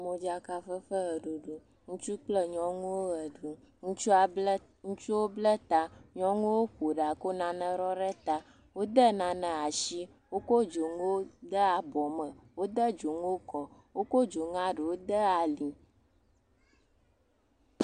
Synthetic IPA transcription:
mõ˨d͡ʒa˦ka˦fə˦fə˦ɣɛ˨ɖo˨ɖo˨ | ŋũ˦t͡ʃu˦k͡plə˦ɲɔ̃˦ŋũ˦wo˦ɣɛ˨ɖu˨ | ŋũ˦t͡ʃu˦a˨˦ | ŋũ˦t͡ʃu˦wo˦blɛ˦t̪a˦ɲɔ̃˦ŋũ˦wo˦ɸo˨ɖa˨ko˦nã˨nə̃˨ɾɔ˦ɖɛ˦t̪a˦ | wo˦d̪ə˦nã˨nə̃˨a˨ʃi˦ | wo˦ko˦d͡ʒo˨ŋũ˦wo˦d̪ə˦a˨bɔ˨mə̃˨wo˦d̪ə˦d͡ʒo˨ŋũ˦wo˦kɔ˨wo˦ko˦d͡ʒo˨ŋã˦ɖe˨wo˦d̪ə˦a˨li˨

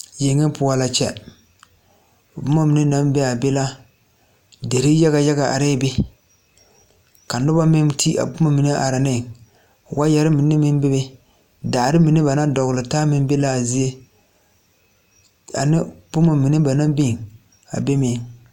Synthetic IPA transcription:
je˨ŋːɪ˦pʊ˨˦a˦la˦t͡ʃɛ̰˨ | bʊ˦ma˦mi˨nɪ˦na˦mbɛ˦a˨be˦la˦ | de˨ɾi˦ja˦ɣa˨ja˦ɣa˨ʔa̰˨ɾɛ˦be˦ | ka˨nʊ˦ba˦mɪ˦mti˦a̰˨bʊ˦ma˦mi˨ni˦ʔa̰˨ɾa˨nɪ˦˨ | wa˦jɛ˨ɾɪ˦mɪ˨nɪ˦mɪ˦mbe˦bɛ˦ | daː˨ɾɪ˦mi˨nɪ˦ba˨na˦dɔ˨ɣʊ˨lɨ˨taː˦mɪ˦m˦be˦la˦˨zi˦e˦ | a˨nɪ˦bʊ˦ma˨mi˨nɪ˦ba˨na˦mbi˦˨ŋ | a̰˨be˦mɪː˨

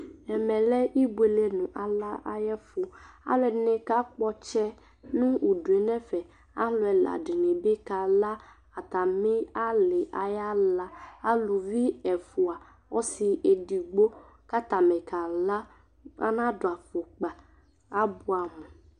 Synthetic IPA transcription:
ɛ˨mɛ̃˨lɛ˦i˦bu˦˨e˨le˨nũ˨ʔa˨la˦ʔa˨jɛ˦fu˨a̰˦lɛ˨˦nẽ˨ka˦k͡pɔ˦t͡ʃɛ˦ | nũ˦u˨du˨e˨nɛ̃˦fɛ˨ | a̰˦ɦlɔ˦ɛ˨la̰˨ɖi˨nẽ˨be˦ka˨la˦ | a˨t̪a˨mĩ˦a˦le˨ʔa˨ja˦la˦a˦lu˨vi˦ɛ˨fu˨a˨ | wɔ˦si˨ʔe˨di˨ɡ͡bo˦ | ka˦t̪a˨mɛ̃˨ka˨la˦ | a̰˦nã˦ɖo˨a˨fo˨k͡pa˨ | a˦bu˦a˨mũ˨

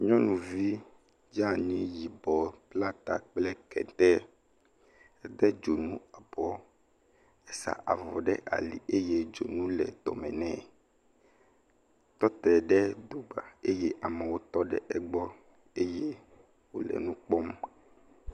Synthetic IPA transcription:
ɲɔ̃˦nũ˨vi˦ | d͡ʒa˦˨ɲĩ˦ji˨bɔ˨pla˦t̪a˨k͡plɛ˦kɛ̰˨nt̪ɛ˦ | ɛ˦d̪ɛ˦d͡ʒo˨nũ˦a˨bɔ˨˦ | ɛ˨sa̰˨ʔa̰˨vɔ̰˨ɖɛ˦ʔa̰˨lḭ˨ʔe˦je˦d͡ʒo˨nũ˦lɛ̰˨d̪̥ɔ̰˨mɛ̰̃˨nɛ̃˨ | t̪ɔ˦t̪ɛ˨ɖɛ˦d̪o˨ɡ͡ba˨e˦jɛ˦ʔa˨mɛ˨wo˦t̪ɔ˦ɖɛ̰˦ʔɛ˨ɡ͡bɔ˦ | e˦je˦ | wo˦lɛ̰˨nũ˦k͡pɔ˦m˦

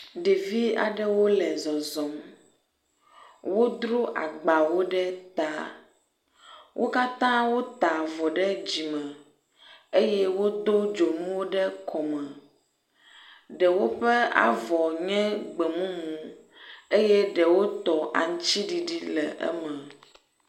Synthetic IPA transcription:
ɖe˨vi˦a̰˨ɖɛ˦wo˦lɛ˨zɔ˨zɔ̃˨m | wo˦d̪ɾo˦ʔa̰˨ɡ͡ba˨wo˦ɖɛ˦t̪a˨ | wʔo˦ka˦t̪ã˦wo˦t̪a˨vɔ˨ɖɛ˦d͡ʑi˨mɛ̃˨ | e˦jɛ˦wo˦d̪o˦d͡ʒo˨m̃ũ˦wo˦ɖɛ˦kʰɔ˨mɛ̃˨ | ɖɛ˨wo˦ɸɛ˦a̰˨vɔ˨ɲɛ̃˦ɡ͡bɛ˨mũ˦mũ˨ | e˦jɛ˦ɖɛ˨wo˦t̪ɔ˨ʔa̰˨ŋ˦t͡ɕi˦ɖi˨ɖi˦lɛ̰˨ʔɛ̰˦mɛ̃˨

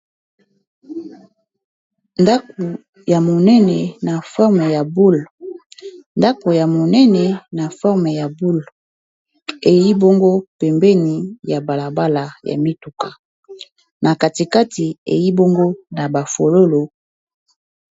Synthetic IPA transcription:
nda˦ko˨ | ja˨mo˨nɛ˦nɛ˨na˨fɔ˦ʁme˨ja˨bu˦l | nda˦ko˨ja˨mo˨nɛ˦nɛ˨na˨fɔ˦ʁme˨ja˨bu˦l | e˨ji˦bo˦ŋɡo˦pɛ˨mbɛ˦ni˨ja˨ba˨la˨ba˦la˨ja̰˨mi˦tu˨ka˨ | nʔa˨ka˨ti˨ka˦ti˨ḛ˨ji˦bo˦ŋɡo˦na˨ba˨fo˨lo˦lo˨

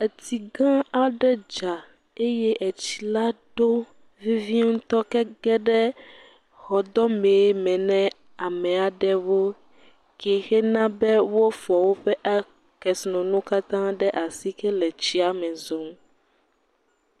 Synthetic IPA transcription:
e˨t̪ʰi˨ɡã˦a˦ɖɛ˦d͡ʒa˨ | e˦jɛ˦ʔɛ˨t͡ɕi̥˨la˦ɖo˦ | vi˦vi˦ŋũ˦t̪ɔ˦kɛ˦ɡɛ˦ɖɛ˦ | xɔ˨d̪ɔ˦mẽ˨˦mɛ̃˨nɛ̃˦ | a˨mɛ̃˨a˨ɖɛ˦wo˦ | kɛ˨xɛ˦nã˦bɛ˦wo˦fɔ˨wo˦ɸɛ˦ʔa˦ | kɛ˨snɔ̃˨nũ˦ka˦t̪ã˦ɖɛ˦ʔa˨si˦kɛ˦lɛ˨t͡ɕi˦a˨mɛ̃˨zo˨m

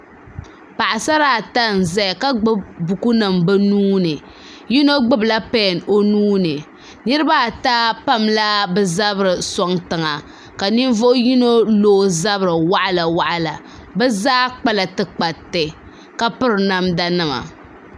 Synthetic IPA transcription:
pa˨ʔa˨sa˦ɾa˨ta˦n̩˨zɛ˦jka˦ɡ͡bɨ˦bbu˨ku˦nɨ˨mbɨ˦nuː˦nɨ˨ | ji˦no˦ɡ͡bɨ˦bla˦pɛ˦˨no˦nuː˦nɨ˨ | nɨ˦ɾɨ˦ba˦˨taː˦pa˦mla˦bɛ˦za˦bɾɨ˨sɔ˦ŋtɨ˨ŋa˨ | ka˨ni˦n˦vo˦ʔʊ˦ji˦no˦lo˦za˦βɾɨ˨wa˦ʔa˦˨la˨wa˦ʔa˨la˨ | bɛ˦zaː˦k͡pa˦la˨tɨ˦k͡pa˨tɛ˨ | ka˦pɨ˦ɾɨ˨na˦mda˦nɨ˦ma̰˨

